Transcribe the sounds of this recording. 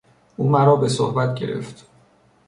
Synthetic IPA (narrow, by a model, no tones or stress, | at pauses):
ʔuːmæɾɒːbe̞sohbæt̪ɟe̞ɾe̞̰ft̪